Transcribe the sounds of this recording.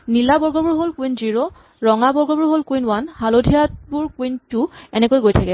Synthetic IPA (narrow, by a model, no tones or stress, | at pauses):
nilabɔɹɡɔbuɹɦolkwinziɹo | ɹɔŋabɔɹɡɔbuɹɦolkujnwanhalodʱijatbuɹkwintuɛnɛkojɡojtʰakɛ